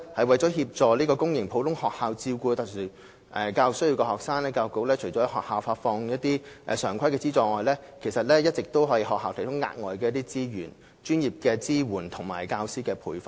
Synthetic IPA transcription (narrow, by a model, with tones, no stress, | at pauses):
hɐ˨jwɐ˨jt͡sɔː˨˥ɦiː˧p̚t͡ʃɔː˨liː˥kɔː˧kʊ˥ŋjɪ˨˩ŋpʰo˨˥wt̪ʰʊ˥ŋhɔː˨k̚haː˨wt͡siː˧wkuː˧t̪ɐ˨k̚syː˨˩ | ʔɛ˨˩kaː˧wsɵ˥ji˧wkɛː˧hɔː˨ksaː˥ŋnlɛː˥kaː˧wkʊ˨˥k̚lɛː˥t͡ʃʰɵ˨˩jt͡sɔ˨˥hɔː˨k̚haː˨˩wfaː˧t̚fɔː˧ŋjɐ˥t̚t̪iː˥ʔɛ̰˨˩sœː˨˩ŋkʷʰjkɛː˧t͡siː˥t͡sɔː˨˧ŋɔː˨jlɛː˥kʰe˨˩sɐ˨t̚lɛː˥jɐ˥t̚t͡sɪ˨k̚t̪o˥wɦɔː˨˥jiː˧ɦɔː˨k̚haː˨wt̪ʰjt̪ʊ˥ŋːa̰ː˧t̚ŋɔː˨jkɛː˧jɐ˥t̪i˥t͡siː˥ɥyː˨˩n | t͡ʃyː˥njiː˨p̚kɛː˧t͡siː˥wuː˨˩nt̪ʰʊ˨˩ŋmaː˨˩jkaː˧wsiː˥kɛː˧pʰuː˧jfa˨˥